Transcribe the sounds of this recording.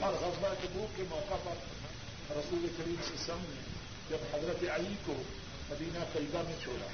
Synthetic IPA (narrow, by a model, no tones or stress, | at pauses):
ɐɾɣɐzbakebuːpkemɔːkapɐɾ | ɾɐsuːlekɐɾiːmsesɐmni | d͡ʒɐbhɐzɾət̪eɐiko | mɐd̪iːnakɐiɡamẽt͡ʃʰoːɽa̰ː